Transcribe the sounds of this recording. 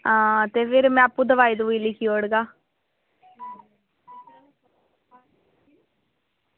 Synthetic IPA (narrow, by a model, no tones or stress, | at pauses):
ãːt̪eːpʰɪɾmɛ̃ːapːũːd̪əʋaːiːd̪uiːlɪkʰiːoːɽɡaː